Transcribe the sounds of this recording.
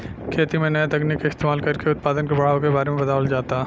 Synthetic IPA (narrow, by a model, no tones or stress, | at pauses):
kʰeːt̪imẽnɐjat̪ɐɡnikːaɪst̪eːmaːlkɐɾkeʊt̪̚paːd̪ənkebɐɽ̤aːokebaːɾemẽpɐd̪aːəld͡ʒaːt̪a